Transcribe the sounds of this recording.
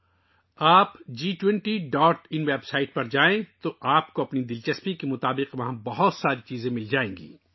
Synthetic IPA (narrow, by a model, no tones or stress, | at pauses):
aːpd͡ʒiːʈwɛ̃ɳʈiɖɔːʈɪnʋeːbsaːɪʈ̚pɐɾd͡ʒaːẽt̪oʔaːp̚koɐpnid̪ɪlt͡ʃɐspikemʊt̪aːbɪqʋɐɦãbɐɦʊt̪saːɾit͡ʃiːzẽmɪld͡ʒaːẽːŋɡḭː